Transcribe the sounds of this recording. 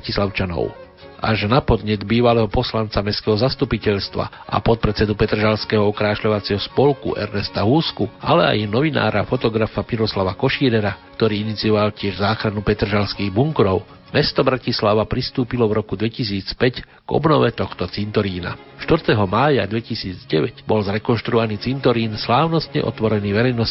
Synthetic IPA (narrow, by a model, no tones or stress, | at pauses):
cislaʊt͡ʃanɔ̰ʊ | ʔa̰ʒnapɔd̪ɲɛd̪biːʋalɛːɦɔpɔslant͡samɛskɛɦɔzast̪upicɛʎst̪ʋa̰ | ʔa̰pɔt̪̚pɾɛt͡sɛd̪upɛt̪r̩ʒalskɛɦɔɔkɾaːʃʎɔʋat͡sɪɛɦɔspɔlkṵʔɛ̰ɾnɛst̪aɦuskua̰lɛa̰jnɔʋina̰ːɾafɔt̪ɔɡɾafamiɾɔslaʋakɔʃiːɾɛɾakt̪ɔɾiːinit͡siɔʋalcɪɛʒzaːxɾanupɛt̪r̩ʒalskiːɣbuŋkɾɔʊ | mɛst̪ɔbɾacislaʋapɾist̪uːpilɔvɾɔkud̪ʋɛcis̬iːt͡spɛc | ɡ̥ɔ̰bnɔʋɛt̪ɔxt̪ɔt͡sint̪ɔɾiːna̰ | ʃt̪ʋɾ̩t̪ɛɦɔmaːja̰d̪ʋɛcisiːd͡zɟɛʋɛɟbɔlzɾɛkɔnʃt̪ɾuɔʋaniːt͡sint̪ɔɾiːnslaːʊnɔst̪ɲɛ̰ʔɔ̰t̪ʋɔɾɛniːʋɛɾɛjnɔs